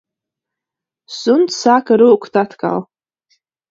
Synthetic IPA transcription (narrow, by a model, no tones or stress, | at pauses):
sʊntsakʰaɾɨkʷʰtʰʼatʰkʼa̰l